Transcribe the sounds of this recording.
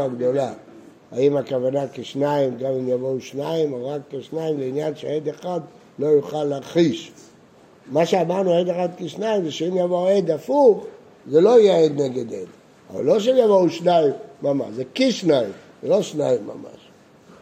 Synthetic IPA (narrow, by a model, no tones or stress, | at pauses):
aɡd̪o̞la | aimakavanakeʃnaimɡamimjavo̞uʃnaimoʁakːeʃnaimleinjanʃeed̪eχad̪ | lo̞juχalːeaχiʃ | maʃeamaʁnued̪eχad̪keʃnaimzeʃeimjavoed̪afuχ | zelo̞ijeed̪neɡed̪ḛd | ava̰lːo̞ʃ̬emjavouʃnaimːama̰ʃzekiʃnaim | zelo̞ʃnaimːa̰ma̰ʃ